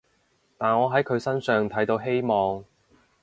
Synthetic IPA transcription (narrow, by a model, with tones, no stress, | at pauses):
t̪aː˨˩nŋɔː˨˧ɦɐ˨˥jkʰɵ˨˧ɥsɐ˥nsœː˨ŋt̪ʰɐ˨˥jt̪o˨˧˥wɦe˥jmɔː˨˧ŋ